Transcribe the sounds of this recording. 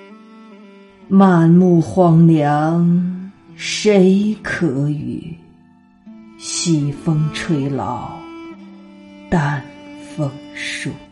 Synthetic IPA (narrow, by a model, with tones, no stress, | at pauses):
ma˥˧˩nmu˥˩xwɑ˧˥ŋljɑ˧˥ŋ | ʂe˧˥ɪkʰɤ˧˥y̰˨˩ | ɕi˨˩fɤ˥ŋʈ͡ʂʰwe˥˩ɪlɑ̰˧˥ʊ | t̪a˥˧˩nfɤ˥ŋʂu˥˨˩